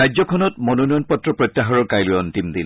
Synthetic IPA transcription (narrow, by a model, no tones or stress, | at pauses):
ajzɔkʰɔnɔtmɔnonɔjɔnpɔtːɹɔpɹɔjt̪ːaɦɔɹɔɹkajlʊjɔntimd̪il